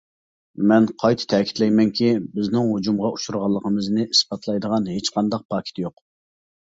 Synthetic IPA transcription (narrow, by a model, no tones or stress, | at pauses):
mɛnqʰɑjt̪ʰɨ̥t̪ʰɛkʲi̥t̪lɛjmɛŋkʲʰibɪznɪŋɦud͡ʒumʁɑu̥ʃuɾʁɑlˠːəqʰəmɨznɨʔispɑt̪ʰlˠɑjd̪əʁɑnhet͡ʃqʰɑnd̪ɑq̚pʰɑːkʲʰi̥t̪ʰjoq